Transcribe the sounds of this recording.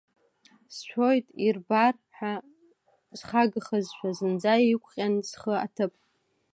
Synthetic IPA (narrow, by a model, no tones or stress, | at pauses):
sʃʷʰojtʼirbar | ħa | z̥χaɡɨχəzʃʷʰᶣazɨnd͡zajikʷʰʼqʲʼanzχəa̰tʰɨpʼ